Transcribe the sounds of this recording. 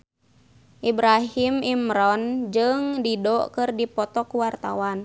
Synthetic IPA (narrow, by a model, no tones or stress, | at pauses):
ʔibɾaɦimimɾɔnd͡ʒɨŋdidɔkɨrdipɔt̪ɔkuwart̪a̰wan